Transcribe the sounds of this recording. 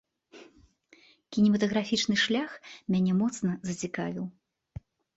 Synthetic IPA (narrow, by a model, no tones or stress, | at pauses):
kʲinʲimɐt̪ɐɣɾafʲit͡ʂnɨʂlʲaxmʲanʲɛmɔt̪snɐzɐt͡sʲika̰vʲiw